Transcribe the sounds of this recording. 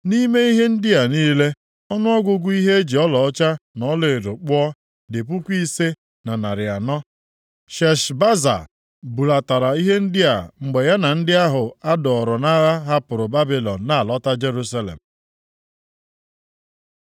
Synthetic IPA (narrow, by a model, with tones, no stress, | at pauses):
ni˦me˦i˦ɦe˦n̩˦dɪ˦a˨niː˦le˦ | ɔ˦nʊ˦ɔ˦ɡʷʊ˦ɡʷʊ˦i˦ɦe˦e˦d͡ʒi˨ɔ˦lɔ˨ɔ˦t͡ʃa˦nɔ˦le˨e˨do˨k͡pʊ˦ɔ˦ | dɪ˨p̬u˦kʷi˦se˦ | na˨na˨ɾɪ˨a˨nɔ˦ | ʃɛ˨ʃba˦za̰˨ | bu˨la˨ta˨ɾa˨i˦ɦe˦n̩˦dɪ˦a̰˨ŋ͡m̩˨ɡ͡be˨ja˦na˨n̩˦dɪ˦a˦ɦʊ˨a˦dɔ˨ɔ˨ɾɔ˨na˦ɣa˦ɦa˦pʊ˨ɾʊ˨ba˦bi˨lɔ˨n̩ː˨a˨a˨lɔ˦ta˦d͡ʒe˦ɾu˦sa˦lḛ˨m̩˨